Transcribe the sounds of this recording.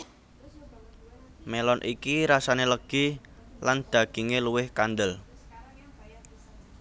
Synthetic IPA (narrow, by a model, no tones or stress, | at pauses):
melɔnʔikiɾasaneləɡ̥i | land̪̥a̤ɡ̥i̤ŋeluwɪhkand̪əl